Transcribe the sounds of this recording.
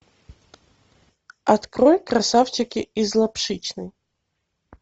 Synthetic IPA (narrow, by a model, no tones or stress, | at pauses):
ɐt̪kɾojkɾɐsaft͡ɕɪkʲɪizlˠɐpʂɨt͡ɕnɨj